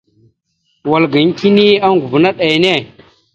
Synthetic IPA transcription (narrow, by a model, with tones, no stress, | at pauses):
wa˨lɡi˨ŋ˦ki˦ni˦a˦ŋɡu˨vna˦ɗa˨jne˦˨